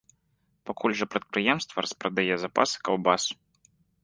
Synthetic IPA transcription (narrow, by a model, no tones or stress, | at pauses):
pakʰulʲʐɐpɾɐt̪̚pɾɨjɛmst̪vɐ̰ɾɐspɾɐd̪ajɛzapa̰sɨ̥kawbasu̥